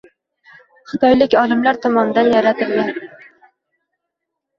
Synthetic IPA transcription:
χɨ̥t̪ʰɑjlɪkʲɑlˠɨmlæɾt̪ʰɒmɑnd̪ænjæɾæt̪ʰɨɾɡʲɛn

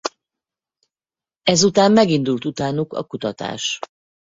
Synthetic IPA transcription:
ɛzut̪aːmːɛɡind̪ult̪ut̪aːnukɒ̰kut̪ɒt̪a̰ːʃ

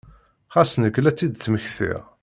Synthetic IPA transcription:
χæsnəkːlæt͡sːid̪θməçθḭʁ

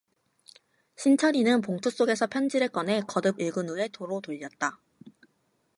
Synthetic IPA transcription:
ɕʰint͡ɕʰʌɾinɯnpoŋtʰos͈oɡe̞sʰʌpʰjʌnd͡ʑiɾɯɭk͈ʌnɦe̞kʌdɯbiɭɡɯnue̞toɾotoʎːʌt̚t͈a

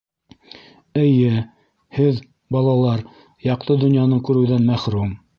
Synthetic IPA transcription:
ɘ̆jɘ | hɘð | bɑlˠɑlˠɑɾ | jɑqt̪ɤd̪ŏnjɑnɤkʉɾɘ̆wðænmæχɾum

